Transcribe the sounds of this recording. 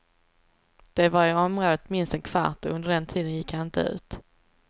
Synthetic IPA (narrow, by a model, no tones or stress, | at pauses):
d̪̥ɛvaɾɪɔmɾoːd̪ət̪mɪnst̪ɛnkʰv̥a̰ʈɔɵnd̪əɖɛnt̪ʰiːd̪ənjɪkhanɪnt̪ə̰ʉ̟̰ːt̪